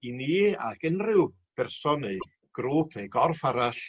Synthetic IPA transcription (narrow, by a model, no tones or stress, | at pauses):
iniːa̰kənrɪw | b̥ɛrsɔnej | ɡ̥ɾuːpʰnejɡɔrfaɾaɬ